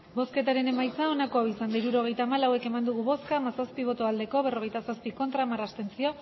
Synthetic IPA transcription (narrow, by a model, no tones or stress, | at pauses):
bo̞ske̞t̪aɾe̞ne̞majt͡sao̞nako̞awisand̪aiɾuɾo̞ɣ̞e̞jt̪aːmalawe̞ke̞mand̪uɣ̞uβo̞skamasaspiβ̞o̞t̪oald̪e̞ko̞β̞e̞ro̞ɣ̞e̞jt̪asaspiko̞nt̪ɾamarast̪e̞nt͡sio̞